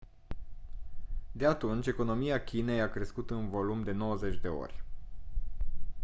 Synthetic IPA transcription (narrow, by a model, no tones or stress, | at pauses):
d̪e̞at̪unt͡ʃʲe̞ko̞no̞miakʲine̞jakɾe̞skut̪ɨnvo̞lumd̪e̞no̞wəze̞t͡ʃʲd̪e̞o̞̰rʲ